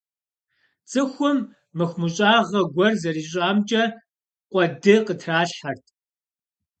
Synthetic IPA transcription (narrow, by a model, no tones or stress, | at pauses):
t͡sʼɨxʷʊmː | ɨxʷmɨɕʼaːʁɐɡʷɔrzɐɾiːɕ̬ʼaːmt͡ʃʼɐ | qʷʼɔdɨqətʰraːɬħɐrtʰ